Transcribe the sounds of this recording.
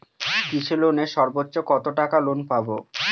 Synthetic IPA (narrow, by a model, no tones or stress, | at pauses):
kit͡ɕʰeloneʃɔɾbotːɕokɔt̪oʈakalonpabo